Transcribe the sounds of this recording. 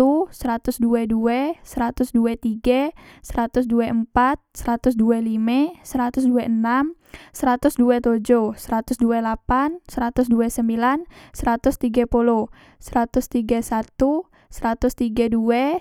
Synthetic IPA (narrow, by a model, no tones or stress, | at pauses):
usəɾat̪ʊsduɛduɛsəɾat̪ʊsduɛt̪iɡasəɾat̪ʊsduɛʔəmpat̪̚səɾat̪ʊsduɛlimɛsəɾat̪ʊsduɛʔənam | səɾat̪ʊsduɛt̪od͡ʒosəɾat̪ʊsduɛlapansəɾat̪ʊsduɛsəmbilansəɾat̪ʊst̪iɡapulɔ | səɾat̪ʊst̪iɡasat̪u | səɾat̪ʊst̪iɡaduɛ